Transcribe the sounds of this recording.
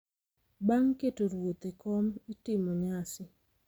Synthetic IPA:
baŋketoɾwot̪ekɔmitɪmoɲasɪ

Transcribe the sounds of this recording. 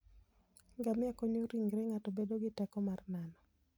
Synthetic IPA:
ɡamɪakoɲoɾiŋɡɾɛŋatɔbedoɡɪtɛkɔmarnanɔ

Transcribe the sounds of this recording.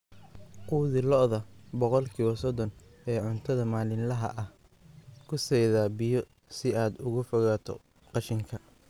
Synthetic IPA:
quːðɪlɔʔðɐbɔqɔlkʰiːwɔsɔd̪ɔnɛːʕʊnt̪ʰɐðɐmaːlɪnlɐɦɐ̰ʔɐh | kʰʊsɛjðaːbɪjɔ | sɪaːd̪ʊɣʊfɔɣaːt̪ʰɔ̰ | qɑʃɪŋkʰɐ

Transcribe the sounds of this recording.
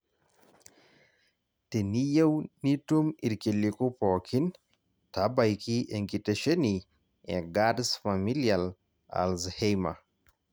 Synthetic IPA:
tenijewnitumiɾkilikupɔkʰin | tabajkiʔeŋkitaʃeni | ʔɛɡadsfamilial | a̰lzhejma̰

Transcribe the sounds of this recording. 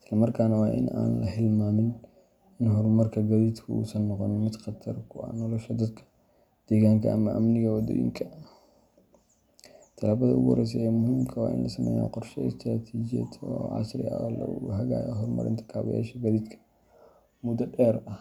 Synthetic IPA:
ɪslɐmɐrkʰaːnɐwɑːʔɪ̰nʔa̰ːnlɐhɪlmaːmɪn | ɪnɦɔrmɐrkʰɐɡɐðiːd̪kʰɐṵːsɐnːɔqɔnɪnmɪd̪qɑt̪ʰɐrkʰʊɐ̰nɔlɔʃɐd̪ɐd̪kʰɐ̥ | d̪̥ɛːɣaːŋkʰɐʔɐmɐʔɐmnɪɣɐwɐd̪ɔ̰ːjɪ̰ŋkʰɐ | t̪ʰɐlaːβɐðɐʔʊɣʊwɔ̰ɾɛjs̬ɛɛːmʊhiːmkʰɐwɑ̰ːʔɪ̰nlʔɐsɐmɛ̰ja̰qɔrʃɔst̪ʰɾaːt̪ʰiːd͡ʒɪjɐ̰t̪ɔʕɑ̰sɾɪ̰ɐ̰lɐ̰ɦɐɣa̰ːjɦɔrmɐ̰ɾɪ̰nt̪ʰɐ̥kʰaːβɐ̰ja̰ːʃɐɡɐliːd̪kʰɐ̥ | mʊd̪ɐɖɛːɾɐh

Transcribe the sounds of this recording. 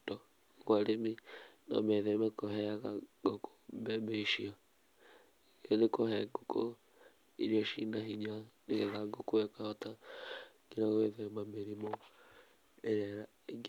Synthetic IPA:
dɔ | ɣwaɾeminɔ̰mɛðemakoɦɛaɣaɡoko̥bɛmeʃia | ɔnekoɦɛɡoko | ḭɾiaʃinaɦiɲaneɣɛɣaɡokoɛkahɔta | ɡenaɣoeðemameɾimɔ | eɾɛɾa | eɡ

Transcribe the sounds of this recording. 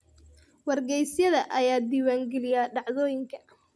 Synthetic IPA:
wɐrɡɛjsjɐðɐʔɐjaːd̪iːwaːŋɡɛlɪjaːɖɑʕðɔːjɪŋkʰɐ̥

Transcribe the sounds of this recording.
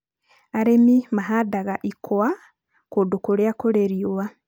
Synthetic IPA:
aɾemimaɦadaɣaʔikʰowa | kudukuɾeakoɾeɾiwa

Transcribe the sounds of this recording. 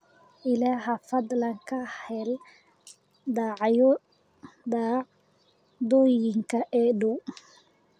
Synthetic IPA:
ʔɪlaːɦɐfɐd̪lɐŋkʰɐhɛl | d̪ɑːʕjɔ | d̪aː | d̪ɔːjɪŋkʰɐʔɛːɖʊ

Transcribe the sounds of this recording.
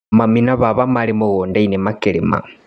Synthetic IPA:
maminaβaβamalimuɣoːndainemakelima̰

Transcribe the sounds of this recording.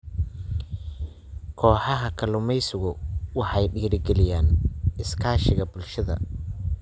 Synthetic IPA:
kʰɔːħɑɦɐkʰɐlʊmɛjsʊɣʊwɑħɑjɖiːɾɪɡɛlɪjaːnʔɪskʰaːʃɪɣɐbʊlʃɐðɐ̰

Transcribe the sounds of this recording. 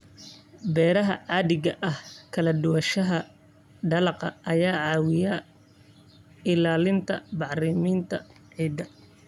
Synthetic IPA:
bɛːɾɐɦɐ̰ʕaːðɪɣɐʔɐhkʰɐlɐd̪ʊwɐʃɐɦɐ | ɖɐlɐqɐɐjaːʕɑːwɪjɐ | ɪlaːlɪnt̪ʰɐbɑħrɪmiːnt̪ʰɐʕiːd̪ɐ

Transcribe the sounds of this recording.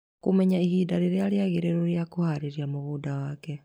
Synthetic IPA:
komɛɲaihiːdaɾeɾeaɾeaɣeɾeɾoɾeakohaɾeɾiamoɣudawakɛ

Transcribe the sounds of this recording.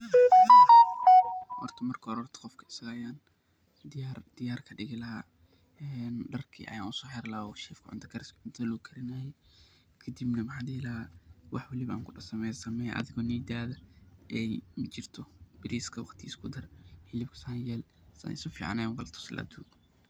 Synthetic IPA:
wɔ̰rt̪ʰɐmɐrkʰɐɔɾɔrt̪ʰɐ̥qɔfkʰɐɪ̥sɐɣɐːjaːn | d̪ard̪̥ɪjaːrkʰɐɖɪɣɪlɐɦaː | ɛnɖɐrkʰḭːʔɐ̰jaːnʊsɔːħɛɾlaːɔʃɛːfkʰʊʕʊnt̪ʰɐ̥kʰɐɾɪskʰɐʕʊnt̪ʰɐlɔkʰɐɾɪnaːjɛ | kʰɐd̪ibnɐmɐħaːd̪ɛlaːwʔɑħwɐlɪβɐa̰ːŋkʰʊɖɐsɐmɛːjsɐmɛjʔɐ̰ðɪɣɔːniːd̪aːðɐʔɛjmɐt͡ʃɪrt̪ʰɔb̥ɪɾiːskʰɐwɑ̰qt̪ʰiːskʰʊd̪ɐrhɪlɪbkʰɐ̥sanjɛːlsɐ̰nɪ̰sʊfḭːʕɑ̰nɛwɐlt̪ʰʊ̥slʔa̰ːd̪uːɡ

